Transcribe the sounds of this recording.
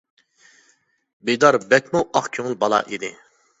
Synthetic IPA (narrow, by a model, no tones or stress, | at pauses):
bed̪ɑɾbɛk̪ʲmuʔɑχkʲʰøŋlˠbɑlˠɑ̰ʔid̪ɪ